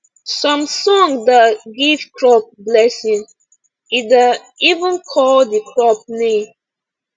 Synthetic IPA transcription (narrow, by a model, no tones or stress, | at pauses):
sɔ̃msɔ̃ŋdaɡiv̥kɹɔp̚blɛsĩŋ | ida | ivə̃nkʰɔldikʰɹɔp̚nem